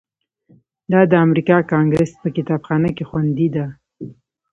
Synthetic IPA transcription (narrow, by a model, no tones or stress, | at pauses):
d̪ɑd̪əamɾikɑkɑŋɡɾespəkɪt̪ɑbxɑnəkexwand̪id̪a